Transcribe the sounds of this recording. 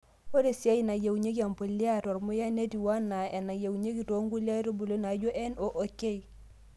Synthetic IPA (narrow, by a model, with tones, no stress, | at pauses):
o˦de˨sia˦ji˦na˨je˨wɲe˦ka˨mpo˨lːi˦a˦to˨ɾmu˦ja˦ne˦ti˨wa˦nːa˨e˨na˨je˨wɲe˦ki˨to˦ŋɡu˦li˦a˦to˦bu˨lo˦na˨ɟo˦ʔe˦no˨ʔo˨ke˦j